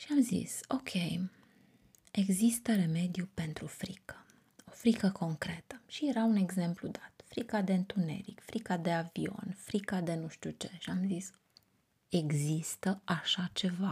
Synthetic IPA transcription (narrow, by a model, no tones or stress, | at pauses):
ʃiamzḭso̞̰kʲʰe̞j | e̞ɡzist̪əɾe̞me̞d̪ijupe̞nt̪ɾufɾikə̥ | o̞fɾikəkʰo̞ŋkɾe̞t̪əʃije̞ɾaune̞ɡze̞mplud̪at̪fɾikad̪e̞ɨnt̪une̞̰ɾḭkfɾikad̪e̞avio̞̰nfɾikad̪e̞nuʃt̪ut͡ʃe̞ʃiamzis | e̞ɡzist̪əaʃat͡ʃe̞va